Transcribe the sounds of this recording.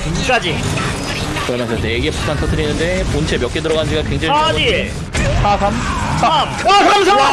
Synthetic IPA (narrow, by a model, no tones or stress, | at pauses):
uk͈ad͡ʑi | kɯɾʌnas͈ʰʌs͈ejeɡepu̥tʰantʰʌtʰɯɾinːɯnde̞pont͡ɕʰe̞mjʌk͈edɯɾʌɣanɯnd͡ʑiɡakwe̞ŋd͡ʑaɲii | sʰasʰamsʰaamasʰa